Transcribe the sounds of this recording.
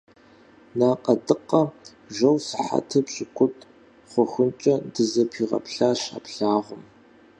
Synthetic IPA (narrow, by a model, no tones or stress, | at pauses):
naːqʼɐdɨqʼɐ | ʒɐwsɨħa̰tʰɐpɕʼɪkʷʰʼʊtʼ | χʷʊxʷʊnt͡ʃʼɐdɨzɐpʰiːʁɐ̰pɬaːɕa̰ːpɬaːʁʷʊm